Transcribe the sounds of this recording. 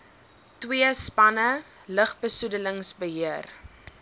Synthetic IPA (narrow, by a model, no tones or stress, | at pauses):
twiəspɐnə | ləχbəsudələŋsbəɦiər